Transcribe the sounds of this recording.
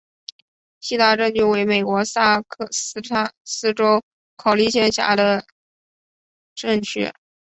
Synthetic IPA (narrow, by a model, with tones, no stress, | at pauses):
ɕi˥˧t̪a˥˧ʈ͡ʂə˥˧nt͡ɕy˥˩we˧˥ɪme˨˩ɪkwɔ˧˥sa˥˩kʰs̩˥ʈ͡ʂʰa˥sɹ̩˥ʈ͡ʂo˥ʊ | kʰɑ˨˩ʊli˥˩ɕʰjɛ˥nɕja̰˧˥d̪ə˧ | ʈ͡ʂɤ˥˧ŋt͡ɕʰyɛ̰˥˩